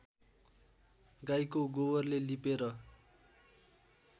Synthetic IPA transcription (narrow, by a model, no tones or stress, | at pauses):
ɡajkoɡobʌrlelipeɾʌ